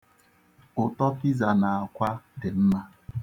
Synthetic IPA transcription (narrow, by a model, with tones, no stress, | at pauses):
ʊ˨tɔ˦pi˦za˨na˨a˨kʷa˦dɪ˨m̩˦ma˦